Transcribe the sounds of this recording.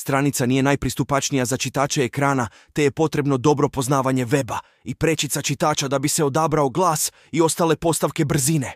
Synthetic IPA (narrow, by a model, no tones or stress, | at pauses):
st̪ɾanit̪sanije̞najpɾist̪upat͡ʃnijazat͡ʃit̪aːt͡ʃeːkɾaːna | t̪e̞je̞po̞t̪ɾe̞bno̞d̪o̞bɾo̞po̞znaːʋaɲe̞ʋe̞ba | ipɾe̞t͡ʃit̪sat͡ʃit̪aːt͡ʃad̪abise̞o̞d̪abɾao̞ɡlˠaːs | io̞st̪ale̞po̞st̪aʋke̞br̩zine̞